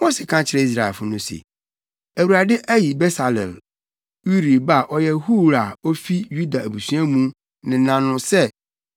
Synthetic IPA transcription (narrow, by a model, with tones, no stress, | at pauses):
mo˦sɛ˨kʰã˦t͡ɕʰɪ˨ɾɛ˦i˦s̬ɾa˨ɛ̰˨fʊ˦nʊ̃˦sḛ˨ | æ˨wu˨ɾa˨dɪ˦ʔæ˦ji˨bɛ˦sa˨lɛ̰˨l | ju˦ɾi˨ba˦˨ʔɔ˦jɛ˦hu˦˨ɾa˨ɔ˦fi˦ju˦da˨æ˨bu˨sũ˦a˦mũ˦ | nɪ̃˨˦nã˨nʊ̃˨sɛ˦